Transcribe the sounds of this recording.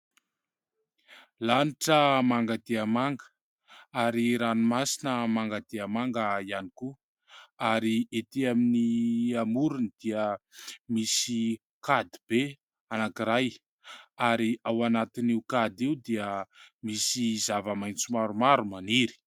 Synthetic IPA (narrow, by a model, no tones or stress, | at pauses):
laniʈ͡ʂəmaŋɡad̪iamaŋɡə | aɾiɾanimasinəmaŋɡad̪iamaŋɡəianiku | aɾiet̪iaminiamuɾunid̪̥iəmisi | kad̪ib̥e | anakiɾaj | aɾiawanat̪iniukad̪iud̪iəmisizavəmajnt͡sumaɾumaɾumaniɾi̥